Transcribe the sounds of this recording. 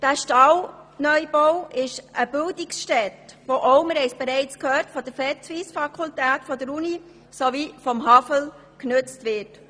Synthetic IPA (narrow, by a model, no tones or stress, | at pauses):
d̥æːʃtɑlnœʏboʊʔɪʃʔəbɪldɪksʃtɛtʋoʔɔʊməɾhɛɪsb̥eɾɛɪt͡skʰhøːɾtfɔd̥əɾfɛtʋisfɑkʰultæːtfɔdəɾuni | sovifɔmɦɑfəl | knøt͡stʋɪt